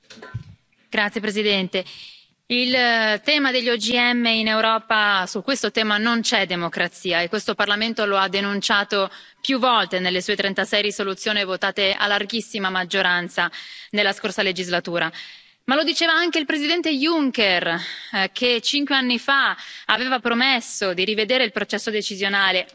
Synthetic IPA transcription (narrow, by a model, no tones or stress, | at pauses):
ɡ̥ɾat̪sːjepɾesid̪ɛnt̪e | ilt̪ɛːmad̪eʎːɔd͡ʒiɛmːeinewɾɔːpasukːwest̪ot̪ɛːmanont͡ʃɛd̪ːemokɾat̪siːaekːwest̪oparlament̪oload̪ːenunt͡ʃaːt̪o | pjuvːɔlt̪enelːesuːet̪ɾent̪asɛjɾisolut̪sːjoːnivot̪aːt̪ea̰lːarɡisːimamad͡ʒːoɾant̪sanelːaskorsaled͡ʒizlat̪uːɾa | malod̪it͡ʃeːvaaŋk̟eilpɾezid̪ɛnt̪ejuŋkerkʰet͡ʃiŋkweanːifaaveːvapɾomesːod̪iɾived̪eːɾeilpɾot͡ʃɛsːod̪et͡ʃizjonaːle